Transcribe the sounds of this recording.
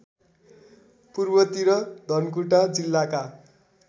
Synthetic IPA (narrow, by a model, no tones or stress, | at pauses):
purbʌt̪iɾʌd̪ʱʌnkuʈad͡zilːaka